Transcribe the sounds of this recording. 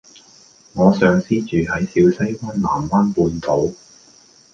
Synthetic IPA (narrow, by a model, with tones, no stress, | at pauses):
ŋɔː˨˧sœː˨˧ŋsiː˥t͡ʃyː˨ɦɐ˨˥jsiː˧wsɐ˥jkɐ˥nla̰ː˨˩mwaː˥npuː˧nt̪o˨˥w